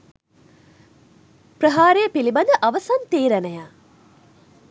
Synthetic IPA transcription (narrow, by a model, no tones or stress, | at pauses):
pɾəɦaːɾejəpilibɐnd̪əʔɐʋəsant̪eːɾænɐja